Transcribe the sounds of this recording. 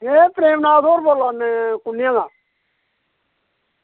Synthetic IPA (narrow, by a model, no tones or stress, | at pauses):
ɦepɾeːmnaːt̪oːɾboːlaːnekʊnɪjãːɡ̪aː